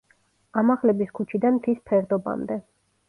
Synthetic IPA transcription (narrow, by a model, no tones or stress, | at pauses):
amaʁlɛbiskʰut͡ʃʰid̪anmt̪ʰispʰɛɾd̪ɔba̰md̪ɛ